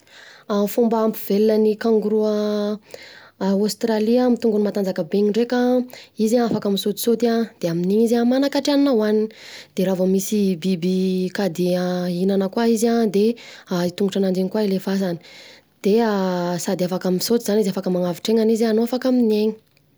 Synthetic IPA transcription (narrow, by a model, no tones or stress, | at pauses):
amfumbaampivelinənikaŋɡuɾuə | ost̪raliamit̪uŋɡunimat̪and͡zakəbeɲiɳɖ͡ʐekaizaafakamisot̪i̥sot̪iad̪̥eaminiizamanakaʈ͡ʂianinawanin | d̪̥eɾavomisibibikad̪eainanəkwaizad̪eait̪uŋɡuʈ͡ʂanaɳɖ͡ʐeŋikwailefazani̥ | d̪̥easad̪eafakaminsot̪izanizafakəmaŋaviʈ͡ʂeŋanizianoafakaminieɲi̥